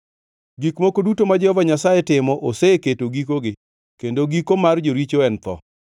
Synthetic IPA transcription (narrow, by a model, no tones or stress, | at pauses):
ɡikmokodutomad͡ʒɔvaɲasajetɪmɔʔoseketoɡikoɡɪ | kendoɡikomard͡ʒoɾit͡ʃoɛnt̪ɔ̰